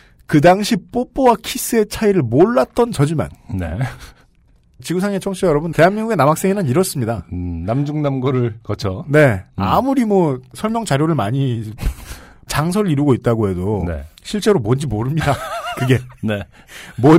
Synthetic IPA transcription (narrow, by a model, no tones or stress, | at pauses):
kɯdaŋɕʰip͈op͈owakʰis͈ɯe̞t͡ɕʰaiɾɯɭmoɭːat̚t͈ʌnt͡ɕʌd͡ʑima̰nnḛ | t͡ɕiɡusʰaŋet͡ɕʰʌŋɕʰijʌɾʌbɯnte̞ɦanmiŋɡuɡe̞namak̚s͈e̞ŋinɯniɾʌs͈ɯmɲidanamd͡ʑuŋnamɡʌɾɯɭkʌt͡ɕʰone̞a̰muɾimwʌsʰʌɭmjʌŋt͡ɕaɾjoɾɯɭmaɲi | t͡ɕaŋsʰʌɾɯɾiɾuɡoit̚t͈aɡoɦe̞donḛɕʰiɭt͡ɕ͈e̞ɾomwʌnd͡ʑimoɾɯmɲidakɯɡe̞ne | mʌ